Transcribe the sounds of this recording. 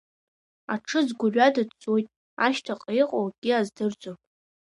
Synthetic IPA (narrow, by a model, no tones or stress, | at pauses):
aʈ͡ʂʰɨzɡʷʊrɥadɨdt͡sʼojtʼ | aʃtʰaqʼejqʼowɡ̥ʲiazdɨrd͡zʷʼopʼ